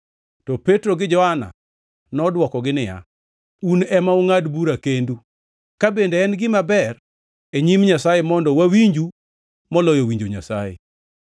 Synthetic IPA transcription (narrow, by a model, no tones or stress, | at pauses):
tɔpetɾoɡɪd͡ʒɔhana̰ | nɔdwɔkɔɡɪnɪja̰ | unɛmaʊŋadbuɾakendu | kabendeːnɡɪmabɛr | eɲimɲasajemɔndɔwawiɲd͡ʒu | mɔlɔjowiɲd͡ʒoɲa̰sajḛ